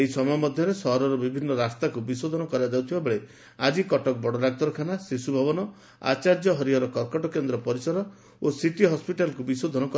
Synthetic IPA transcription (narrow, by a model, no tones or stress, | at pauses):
eɦisɔmɔjɔmɔd̪ʱjɔɾesɔɦɔɾɔɾɔbibʱinːɔɾast̪akubisod̪ʱɔnɔkɔɾad͡ʒawt̪ʰibabeɭe | ad͡ʒikɔʈɔk̚bɔɽɔɾaɡ̚t̪ɔɾɔkʰanasisubʱɔbɔnɔ | a̰t͡ʃaɾd͡ʒɔɦɔɾiɔɾɔkɔɾkɔʈɔkend̪ɾɔpɔɾisɔɾɔ | osiʈiɦɔspiʈalkubisod̪ʱɔnɔkɔ